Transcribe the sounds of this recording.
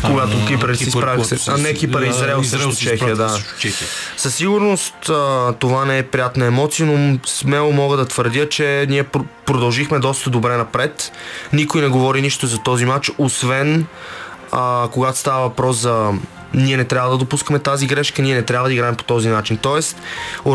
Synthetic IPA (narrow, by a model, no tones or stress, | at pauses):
koɡat̪okipɾsispɾavianɛkipəɾɛizɾɛlˠsot͡ʃt͡ʃɛxiəd̪at͡ʃɛsɐsːiɡʊɾnost̪ət̪ovanɛɛpɾijat̪nɐɛmɔt̪sijənosmɛlˠomɔɡəd̪ɐt̪vəɾd̪jət͡ʃɛniɛppɾod̪ɐlˠʒixmɛd̪ɔst̪əd̪obɾɛnɐpɾɛt̪nikojnɛɡovɔɾiniʃt̪ozɐt̪ɔzimat͡ʃosvɛn | əkoɡat̪o̥st̪avəvɐpɾɔszɐ | niɛnɛt̪ɾʲjavəd̪ɐd̪opuskəmɛt̪aziɡɾɛʃkəniɛnɛt̪ɾʲabvəd̪ɐiɡɾaɛmpo̥t̪ɔzinat͡ʃint̪ɔɛst̪